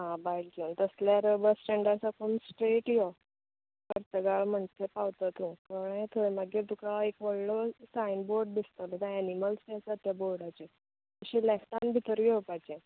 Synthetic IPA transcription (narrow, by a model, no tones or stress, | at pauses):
ɦãbajlkjuːnt̪əsljaɾbəsʈɛ̃ɳɖaɾt͡sakʰomsʈɾeʈjo | kəɾt̪əɡaɭm̤əɳt̪ʰepawt̪at̪ũkaɾet̪ʰoemaɡiɾt̪ukaekʋəɭɭosajnboɾɖ̚d̪ist̪alot̪ãːniməlst̪et͡sat̪jaboɭɽat͡ɕe | k̪əɕĩlɛkt̪anbʱit̪əɾjɔpajt͡ɕɛ̃